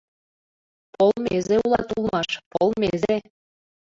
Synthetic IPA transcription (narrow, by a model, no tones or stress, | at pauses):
polmezeulˠɑ̰t̪ulˠmɑʃpolˠmeze